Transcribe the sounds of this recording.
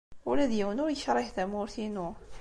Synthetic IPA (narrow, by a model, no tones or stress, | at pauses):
ulæðjiwənʊɾjəçɾˤɑθæmʊɾθinʊ